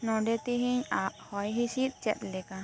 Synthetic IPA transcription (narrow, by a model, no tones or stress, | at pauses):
nɔ̃ɖɛt̪iɦiɲaʔhɔjɦisit̪̚t͡ʃɛ̰t̪̚lɛka